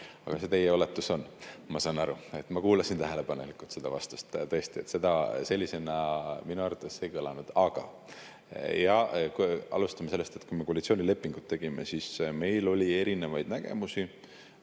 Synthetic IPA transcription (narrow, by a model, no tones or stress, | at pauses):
ɑ̰ɡ̥ɑset̪e̞jeo̞let̪ːuso̞nmɑsɑnːɑɾue̞t̪ːˑmɑkuːlɑsint̪æɦele̞pɑnelikːˑult̪sed̪̥ɑvɑ̰st̪u̥st̪t̪ɤest̪iet̪se̞d̪̥ɑse̞lʲːise̞nɑminuærvɑt̪ːˑe̞sːekɤlɑnud̪̥ɑɡ̥ɑ̰ | jɑkɑ̰lust̪ɑmese̞lːe̞st̪et̪̚kujme̞koɑlʲit̪sionʲile̞pːˑiŋɡ̥ut̪ːe̞ɡ̥ime̞̰sisme̞jlo̞lʲie̞ɾine̞vɑjd̪̥næɡ̥e̞̰musi